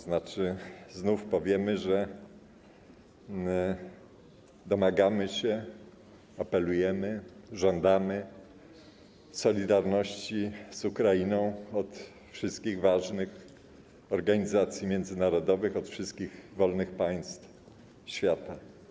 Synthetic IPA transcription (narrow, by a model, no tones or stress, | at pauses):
znat͡ʂɘznufpɔvʲjɛmɘʐɛ | d̪ɔmaɡamɘɕɛ | apɛlujɛmɘʐɔnd̪amɘ | sɔlʲid̪aɾnɔɕt͡ɕiz̥ukɾajinɔ̃w̃ɔt̪ | fʂɘst̪kʲiɣvaʐnɘx | ɔɾɡaɲizat̪sʲjimʲjɛnd̪zɘnaɾɔd̪ɔvɘxɔt̪fʂɘst̪̚kʲiɣvɔlnɘxpaj̃st̪f | ɕfʲjat̪a